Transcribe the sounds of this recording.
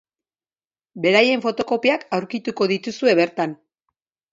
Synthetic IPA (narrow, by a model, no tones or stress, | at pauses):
be̞ɾaje̞ɱfo̞t̪o̞ko̞piakawɾkit̪uko̞ðit̪usue̞βe̞ɾt̪an